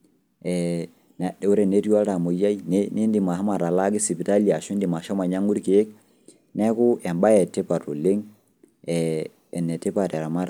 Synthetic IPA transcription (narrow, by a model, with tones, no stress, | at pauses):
ɛ˨ | nɛ˨ɗɛ˨u˦ɾɛ˨ne˦ɾi˦a˦ɾa˨mo˨ja˦i˦n˦ni˦ndi˨ma˨a˦ma˨ɾa˨la˦ɡi˦si˨pi˨ta˦li˨a˨ʃu˦ndi˨ma˨ʃɔ˦ma˨ɲa˦ŋu˦ɾke˨je˦k̚ | nɛ˦ku˦ɛ˨mba˦jɛ˨te˦pa˨ɾu˨le˦ŋ | ɛ˨ | ɛ˨nːɛ˨te˦pa˨ɾɛ˨ɾa˨ma˦ɾa